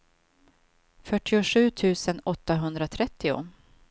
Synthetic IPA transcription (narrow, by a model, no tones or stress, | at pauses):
fœʈːɪʊɧʉ̟ːt̪ʰʉ̟ːsənɔt̪ːaɦɵnd̪ɾat̪ʰɾɛt̪ːɪʊ̰